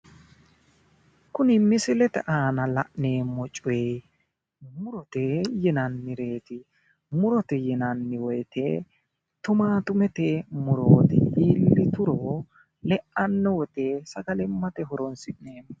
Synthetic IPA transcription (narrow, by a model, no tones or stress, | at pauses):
kʊnɪmɪsɪlɛt̪ɛ̰ʔaːnɐlɐʔne̞ːmːɔt͡ʃʼʊwe | mʊɾɔt̪ɛjɛnɐnːɪɾe̞ːt̪ɪ | mʊɾɔt̪ɛjɛnɐnːɪwɔjt̪ḛ | t̪ʊmaːt̪ʊmɛt̪ɛmʊɾoːt̪ɛhiːlːɪt̪ʊɾoː | lɛʔɐnːɔwɔt̪eːsɐɡɐlɪmːɐt̪ɛɦɔɾɔnsɪʔneːmɔ